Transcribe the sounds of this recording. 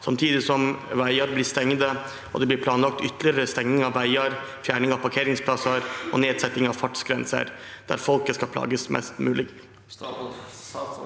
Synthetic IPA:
sɑmt̪ʰiːd̪ɪsɔmʋæɪəɾblɪst̪ɛŋd̪ə | ɔ̰d̪ɛblɪɾpʰlɑːnlɑk̚t̪ʏt̪ːlɪəɾəst̪ɛŋnɪŋɑʋːæɪəɾfjæːɳɪŋɑʋpʰɑɾkʰeːɾɪŋspʰlɑsəɾʔɔ̰neːd̪sɛt̪ːɪŋɑʋfɑʈsɡɾɛnsə̰ɾd̪̥æ̰ɾfɔlkəskɑlpʰlɑ̰ːɡəsmʔɛ̰st̪mʉːlɪɡ

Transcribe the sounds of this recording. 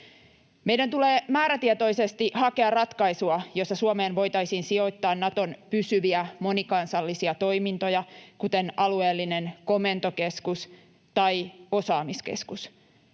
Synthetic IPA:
me̞jdænt̪ule̞ːmæːɾæt̪iɛt̪o̞jsest̪iʔhɑke̞ɑrrɑt̪kɑisuɑjo̞stːɑsuomeːnʋo̞jt̪ɑjsiːnsio̞jt̪ːɑːnnɑt̪o̞npysyʋiæmo̞nikɑnsɑlːisiɑt̪o̞jmint̪o̞jɑkut̪e̞nɑlue̞ːlːine̞nko̞me̞nt̪o̞ke̞skus | t̪ɑjo̞sɑːmiskḛskus

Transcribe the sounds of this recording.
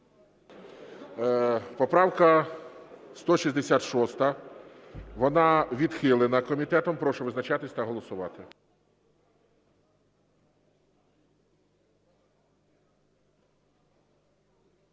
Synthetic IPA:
pɔpɾɑwkɐ | st̪ɔʃizʲd̪esʲat̪ʃɔst̪ɐ | ʋɔnɑʋʲid̪xɪlˠɪnɐkɔmʲit̪ɛt̪ɔmpɾɔʃʊʋɪznɐt͡ʃɑt̪ɪsʲt̪ɐɦɔlˠɔsʊʋɑt̪ɪ

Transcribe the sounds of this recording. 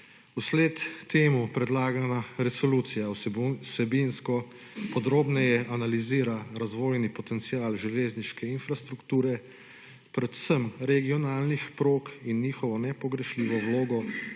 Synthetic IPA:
usleːt̪ːeːmupɾɛd̪laːɡanaɾɛsɔluːt̪sijawsɛbinskɔ | pɔd̪ɾoːbnɛjɛʔanaliziːɾaɾazʋoːjnipɔt̪ɛnt̪siaːlʒɛleːzniʃkɛinfɾast̪ɾukt̪uːɾɛ | pɾɛt̪səmɾɛɡiɔnaːlnixpɾoːkinːiːxɔʋɔnɛpɔɡɾɛʃliːʋɔwloːɡɔ

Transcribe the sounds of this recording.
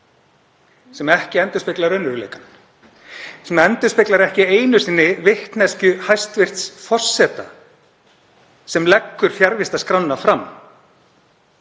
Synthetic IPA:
sɛmɛhcɪɛnt̪ʏspɪklaɾœnːʏɾlḛːkan | sɛmɛnt̪ʏ̥spɪklaɾɛhcɪeːjnʏsɪnːɪvɪht̪nɛscʏhajst̪vɪr̥t̪sfɔr̥sːɛːt̪a̰ | sɛmlɛkːʏɾ̥fjaɾvɪst̪askɾawnːafɾam

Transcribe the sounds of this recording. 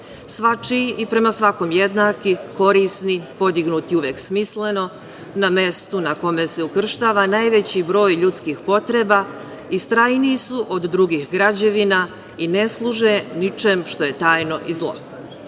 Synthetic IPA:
sʋat͡ʃiipɾe̞masʋako̞mjed̪naːkiko̞ɾisnipo̞d̪iɡnut̪iuʋeksmisle̞no̞ | name̞st̪unako̞mese̞ukr̩ʃt̪aːʋanaːjʋe̞t͡ɕibɾo̞ːjʎut̪skixpo̞t̪ɾe̞ba | ist̪ɾajniːsuʔod̪ːɾuɡixɡɾad͡ʑe̞ʋina | ine̞slˠuʒenit͡ʃemʃt̪o̞je̞t̪aːjno̞ʔizlˠo̞̰

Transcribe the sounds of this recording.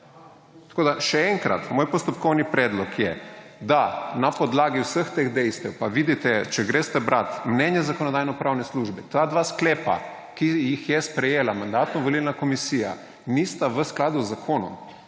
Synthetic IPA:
t̪ḁkoːd̪aʃɛɛŋkɾa̰t̪moːjpɔst̪ɔpkɔwnipɾɛːd̪lɔkjɛd̪anapɔd̪laːɡiwsəxt̪eːɣd̪ɛjst̪ɛwpaʋid̪it̪ɛt͡ʃɛɡɾeːst̪ɛbɾʔat̪mnɛnjɛzakɔnɔd̪ajnɔpɾawnɛsluʒbɛt̪ad̪ʋaːsklɛːpa̰ | kijixjɛspɾɛjeːlamand̪at̪nɔʋolilnakɔmisija̰ | nist̪aʋəsklaːd̪uzːakʰoːnɔ̰m

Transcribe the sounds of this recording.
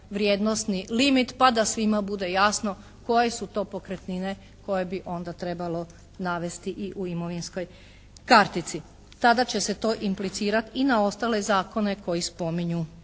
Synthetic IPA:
ʋɾjed̪nost̪nilimit̪pad̪asʋimabud̪e̞jasno̞ | ko̞jesut̪o̞ːpo̞kɾet̪nine̞ | ko̞je̞biʔo̞nd̪at̪ɾe̞balo̞ | naʋe̞st̪iʔiʔuimoʋinsko̞j | kaɾt̪it̪si | t̪ad̪at͡ɕe̞se̞t̪o̞ːʔimplit̪siːɾat̪inao̞st̪ale̞zaːko̞ne̞ko̞jispo̞miɲu

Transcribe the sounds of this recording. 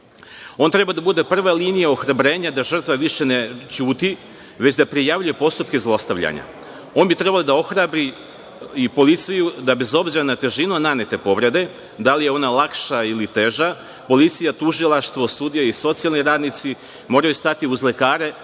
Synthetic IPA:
o̞ːnt̪ɾe̞bad̪abud̪e̞pr̩ʋalinijao̞xɾabɾe̞ːɲad̪aʒər̩t̪ʋaʋiʃe̞net͡ʃuːt̪i | ʋe̞t͡ɕd̪apɾijaʋʎuje̞po̞st̪up̚ke̞zlˠo̞st̪aʋʎa̰ɲa̰ | o̞ːnbit̪ɾe̞balid̪ao̞xɾabɾi | ipo̞lit̪sijud̪abe̞zo̞bziɾanat̪e̞ʒinunane̞t̪e̞po̞ʋɾe̞d̪e̞ | d̪alije̞o̞nalˠakʃailit̪e̞ʒa | po̞lit̪sijat̪uʒilˠaʃt̪ʋo̞sud̪ijaiso̞t̪sialˠniɾaːd̪nit̪si | mo̞ːɾajust̪at̪iuzle̞kaːɾe̞

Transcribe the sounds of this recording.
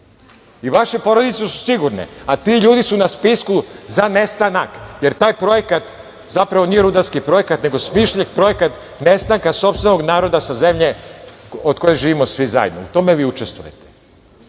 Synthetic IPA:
iʋaʃe̞po̞ɾo̞d̪it̪sesu̥siɡuɾnḛat̪iʎuːd̪isunaspiskuzane̞st̪anakje̞ɾt̪aːjpɾo̞je̞kat̪ | zapɾaʋo̞niːje̞ɾud̪aɾskipɾo̞jekat̪ne̞ɡo̞smiʃʎekpɾo̞jekat̪ | ne̞st̪aŋkaso̞pst̪ʋeno̞ɡnaːɾo̞d̪asaze̞mʎe̞ | od̪̚ko̞jeʒiːʋimosʋiza̰j̰d̪noṵt̪o̞me̞ʋiːut͡ʃest̪ʋṵje̞̰t̪e̥

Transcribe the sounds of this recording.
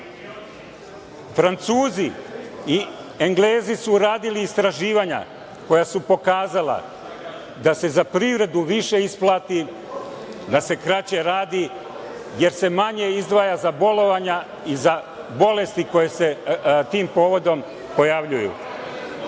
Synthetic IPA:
fɾant̪suːzii | eŋɡleːzisuɾaːd̪iliːst̪ɾaʒiːʋaɲa̰ | ko̞jasupo̞kaːzala̰ | d̪ase̞zapɾivɾe̞d̪uʋiʃe̞isplˠaːt̪i | d̪ase̞kɾat͡ɕe̞ɾaːd̪i | je̞ɾse̞maɲe̞izd̪ʋaːjazabo̞lo̞ʋaɲa | iza | bo̞le̞st̪iko̞jese̞t̪iːmpo̞ːʋo̞d̪o̞m | po̞jaʋʎujṵ

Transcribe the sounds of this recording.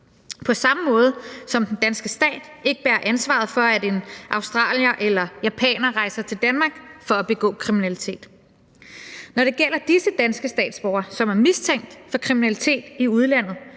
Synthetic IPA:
pʰɒ̽sɑ̈məmɔ̽ːð̞ˠəsɒ̽md̥end̥ænsɡ̥əsd̥ɛ̰ːd̥e̝ɡ̥əb̥æːɐʔænsʋɑ̰̈ð̞̩ˠfɒ̽æde̝nʔɑ̈ʊsd̥ʁɑ̰̈ːljɐʔelɐjæpʰɛ̰ːnɐʁɑ̈ɪsɐt͡sʰe̝ld̥ænmɑ̈ːɡ̥fɒ̽æb̥e̝ɡ̥ɔ̰̽ːkʰʁiminælit͡sʰe̝̰ːd̥ | nɒɾ̥e̝ɡ̥el̰ɐd̥isəd̥ænsɡ̥əsd̥ɛ̰ːd̥sb̥ɒʊɐsɒ̽mæɐmist͡sʰeŋ̰d̥fɒ̽kʰʁiminælit͡sʰe̝̰ːd̥iuð̞ˠlæn̰ð̞̩ˠ

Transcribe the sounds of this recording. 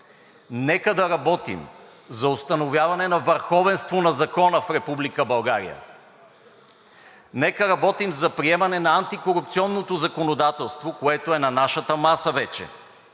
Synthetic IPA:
nɛkəd̪ɐɾɐbɔt̪ḭm | zɐost̪ɐnovjavɐnɛnɐvəɾxɔvɛnst̪vonɐzɐkɔnəfɾɛpublikəbɐlˠɡaɾḭjə̰ | nɛkəɾɐbɔt̪imzɐpɾiɛmɐnɛnɐant̪ikoɾup̚t̪siɔnːot̪ozɐkonod̪at̪ɛlˠst̪vokoɛt̪oɛnɐnaʃət̪əmasəvɛt͡ʃɛ̰

